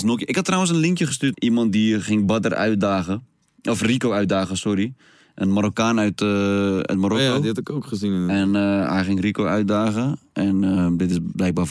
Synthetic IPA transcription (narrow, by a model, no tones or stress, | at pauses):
snokjɪkhatːrawəns̬ənlɪŋkjəχəstyːtʔimɔnt̚dixɪŋbadərœ̰ɥtdaːɣə | ɔfrikoœɥtdaːɣəsɔɾi | ʔənmaɾokaːnœɥtœ̰tmarokodtɪkoːkχəzinɛnhɛ̰jxɪŋrikowœɥt̚daːɣəʔɛnədɪtɪsblɛjk̚ba